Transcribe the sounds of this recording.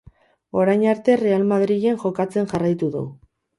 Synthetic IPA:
o̞ɾajɲaɾt̪e̞re̞almaðɾiɣeŋʝo̞kat͡se̞nʝarajt̪uðṵ

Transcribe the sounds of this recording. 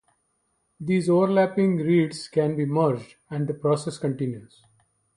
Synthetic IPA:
d̪iːzoːʋəɾlæːpɪ̃ŋɡɾiːɖskɛ̃nbiːməɾd͡ʒɖ | ɛ̃ɳɖd̪əpɾɔːseskə̃ɳʈɪ̃njuz̥

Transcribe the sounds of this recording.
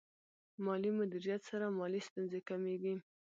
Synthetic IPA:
mɑlimʊd̪iɾijat̪saɾamɑlist̪unzekameɡi

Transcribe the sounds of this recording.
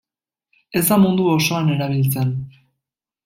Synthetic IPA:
e̞zd̪amund̪uoso̞ane̞ɾaβ̞ilt͡se̞n

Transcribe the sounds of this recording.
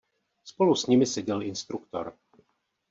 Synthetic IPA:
spo̞lusɲɪmɪsɛɟɛlɪnst̪ɾukt̪o̞̰ɾ

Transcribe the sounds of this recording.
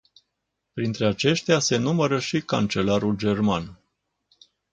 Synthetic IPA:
pɾint̪ɾe̞at͡ʃe̞ʃt̪ease̞numəɾəʃika̰nt͡ʃe̞laɾuld͡ʒe̞rman

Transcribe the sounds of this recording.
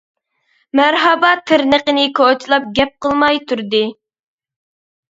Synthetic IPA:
mæɾɦɑbɑt̪ʰːɪɾnəqənɪkʰot͡ʃʰilˠɑp̚ɡʲɛp̚qəlˠmɑjt̪ʰuɾd̪ɨ

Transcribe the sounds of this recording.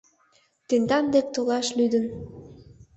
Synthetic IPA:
t̪end̪ɑnd̪ek̚t̪olɑʃlyd̪ən

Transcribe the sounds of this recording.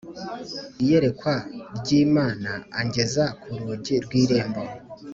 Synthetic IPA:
ije̞ɾe̞kwaɾɟiːmaːnaːɲɟe̞zakʰuɾuɟiɾɡwiːɾe̞ːmbo

